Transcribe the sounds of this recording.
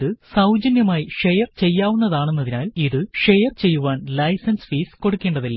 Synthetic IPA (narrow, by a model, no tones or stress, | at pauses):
ðɨsɐwd͡ʑɐnjɐmaːjiʂejɐrt͡ɕe̞jːaːʋunːɐðaːɳunːɐðinaːliðɨʂejɐrt͡ɕe̞jːuʋaːnlɐjsɐnsfiːsko̞ɽukːeːɳɖɐðilːɐ